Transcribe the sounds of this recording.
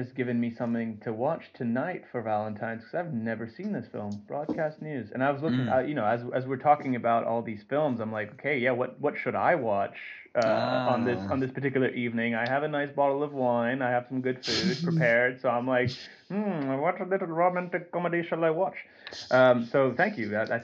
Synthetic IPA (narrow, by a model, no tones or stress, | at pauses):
d͡ʒʌsɡ̥ɪvɨ̃nmisʌ̃mθɪ̃ŋtʰɨwɑt͡ʃtʰɨnaɪtfə˞vælˠə̃ntʰãɪ̃nz̥kʰʌzaɪvnɛvə˞sĩnðɪsfɪ̰lˠmb̥ɹɔ̰d̚kʰæstⁿnjʉzɨ̰̃ñaɪwʌzlʊkɪ̃a̰jɨnoʊɨzɨzwɨɹtʰɔkɪ̃ŋɨbaʊɾʔɔ̰lˠðiz̥fɪlˠmzãɪ̃mlaɪkoʊkʰeɪjæwʌt̚wʌtʃɨɾa̰ɪwɑt͡ʃ | ʔʌə̃nðɪsn̩ðɪspə˞tɪkjl̩ˠə˞ʔivnɪ̃ŋaɪɨvɨnaɪsb̥ɑɾl̩ˠʌvwãɪ̃naɪɨv̥sʌ̃m̩ɡʊd̥fʉd̚pʰɹ̥ipʰɛɹd̥soʊãɪ̃mlaɪk | m̩aɪwɑt͡ʃəlɪɾl̩ˠɹomæ̃ntɨkəkʰɑmədeɪʃnaɪwɑt͡ʃ | ʔʌ̃soʊθæ̃ŋkjʉɨaɪ